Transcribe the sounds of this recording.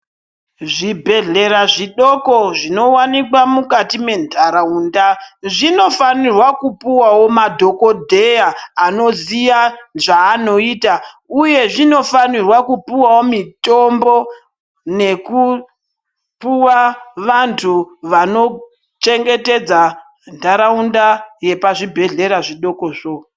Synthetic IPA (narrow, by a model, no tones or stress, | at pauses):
ʐibʱe̞ɮe̞ɾaʐiɗo̞ko̞ʐino̞wanikwamukatime̞ndʱaɾauːndaʐino̞fanirwakupuwawo̞madʱo̞ko̞dʱe̞jaːno̞ziʋaʐaːno̞iːta | uje̞ʐino̞fanirwakupuwawomito̞mbo̞ | ne̞ku | puwaʋantʰuʋano̞ | t͡ʃe̞ŋɡe̞te̞d͡za | ndaɾaundaje̞paʐibʱe̞ɮe̞ɾaʐiɗo̞koʐo